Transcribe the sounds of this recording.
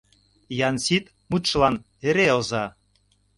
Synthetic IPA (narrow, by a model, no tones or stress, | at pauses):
jɑnsit̪ | mut̪ʃlɑn | eɾeozɑ